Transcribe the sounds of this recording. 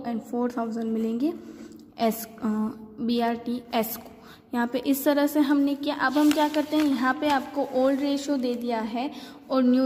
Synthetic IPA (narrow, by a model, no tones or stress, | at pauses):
ɛ̃ːɳɖfoːɾt̪ʰaʊzə̃ɳɖmɪlẽːŋɡe | ɛs | biːaːɾʈiɛsko̥ | jɐɦãpeʔɪst̪ɐɾəɦseɦɐmnekiaʔɐbɦɐmkjaːkɐɾt̪ẽɦɛ̃jɐɦãpeaːp̚koʔoːlɖɾeːʃod̪eːd̪ijaɦɛː | ɔːɾnjuː